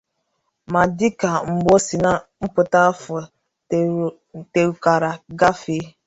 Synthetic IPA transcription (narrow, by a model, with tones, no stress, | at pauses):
ma˨dɪ˦ka˨ŋ͡m̩˨ɡ͡bɔ˦si˨na˦m̩˦pʊ˨ta˦fʊ˨ | te˨ɾka˨ɾa˨ɡa˦fe˦